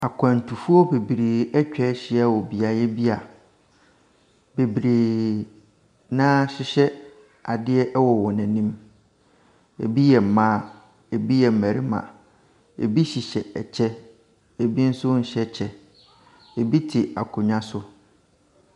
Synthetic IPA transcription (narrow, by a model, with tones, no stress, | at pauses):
a˨kʰã˨n̩˨tʰu˨fu˦ɔ˦be˨bɾeː˨ɛ˦t͡ɕᶣɛ˦ɕɪ˨ɛ˦˨wɔ˨bi˨a˨jɛ˦bi˦a˨ | be˨bi˨ɾeː˨ | nã˦ɕɪ˦ɕɛ˦ | a˨dɪ˦ɛ˦ʔwɔ˨wɔ˨nɛ̃˨nĩ˦m | ḛ˨bi˦jɛ˨m̩˨mãː˦ | e˨bi˦jɛ˨m̩˨mæ̃˨ɾi˦mã̰˨ | ḛ˨bi˦ɕi˨ɕɛ˨ɛ˨t͡ɕʰɛ˦ | e˨bi˦n̩˦sʊ˦ɲ̩˨ɕɛ˦t͡ɕʰɛ˦ | e˨bi˦tʰɪ˨a̰˨kʰʊ˨ɲã˦sʊ˦